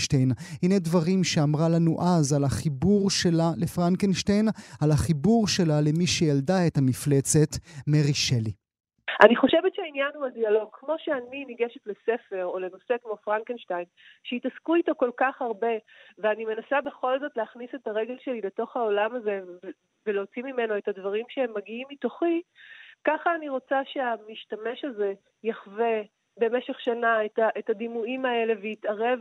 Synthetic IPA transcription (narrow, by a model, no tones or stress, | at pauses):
ʃtejnhinedvaʁimʃeamʁalanuʔazalaχibuʁʃelalefʁankenʃtejnalaχibuʁʃe̞lale̞miʃejaldaethamiflet͡setmeʁiʃeli | ʔaniχo̞ʃevett͡ʃeainjanhuadialo̞ɡ̚kmo̞ʃeaniniɡeʃetlesefe̞ʁole̞no̞se̞kmo̞fʁankenʃtajnʃeitaskuito̞ko̞lkaχaʁbe̞veanime̞nasabe̞χo̞lzo̞tleːχnise̞taʁe̞ɡe̞lʃe̞lile̞to̞χhao̞lamaze̞ | veleot͡simime̞no̞etadvaʁimʃeemːaɡiimitoχikaχaːniʁo̞t͡saʃeamiʃtame̞ʃaze̞ | jaχve̞ | be̞meʃe̞χʃanaetaʔetadimuimae̞le̞vejitaʁe̞v